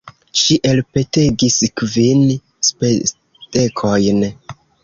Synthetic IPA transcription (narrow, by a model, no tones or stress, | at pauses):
ʃiʔelpe̞te̞ɡiskvin | spe | te̞kʰo̞jn